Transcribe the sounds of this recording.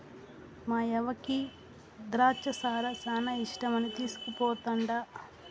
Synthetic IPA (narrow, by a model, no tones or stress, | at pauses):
maːɛʋɐki | d̪ɾaːt͡ʃɐsaːɾɐsaːnɐiʂʈɐmɐnit̪iːsu̥kupɔːt̪ɐɳɖa